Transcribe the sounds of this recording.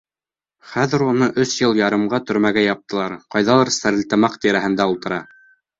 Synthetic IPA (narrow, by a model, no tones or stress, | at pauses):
χæðɘ̆ɾunɤʔɵsjɤlˠjɑɾɤ̆mɢɑt̪ɵ̆ɾmæɡæjɑp̚t̪ɤ̆lˠɑɾqɑjðɑlˠɤɾsæɾɘ̆lt̪ɘ̆mɑqt̪iɾæhɘ̆nd̪æulˠt̪ɤ̆ɾɑ